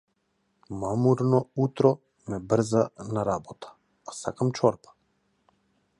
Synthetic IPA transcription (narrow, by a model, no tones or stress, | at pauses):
mamuɾnɔut̪ɾɔ | mɛbr̩zanaɾabɔt̪ʰḁː | sa̰kamt͡ʃɔɾpḁ